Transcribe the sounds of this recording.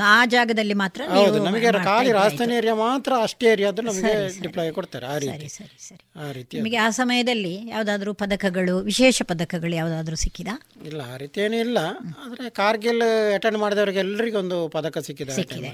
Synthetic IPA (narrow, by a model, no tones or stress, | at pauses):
aːd͡ʒaːɡɐd̪ɐlːimaːt̪ɾɐnɐwd̪unɐmɐɡekaːliɾaːst̪ʰɐneɾjɐmaːt̪ɾɐɐʂʈeɾjɐɐd̪ɐnnɐmɐɡeɾiɖiplɐjkoɽt̪aːɾeaːɾiːɐɾisɐɾisɐɾiaːɾiːt̪iɐmɐɡeaːsɐmɐjɐd̪ɐlːija̰ːʋud̪aːd̪ɐɾuːpɐd̪ɐkɐɡɐɭuʋiʃɛːʃɐpɐd̪ɐkɐɡɐɭujaːʋud̪aːd̪ɐɾusikːid̪a | ilːɐaːɾiːt̪ieːnuilːɐaːd̪ɐɾekaːɾɡelɛʈːeɳɖmaːɽid̪ɐʋɐɾiɡeɛlːɐɾiɡeond̪upɐd̪ɐkɐsikːid̪esikːid̪ḛ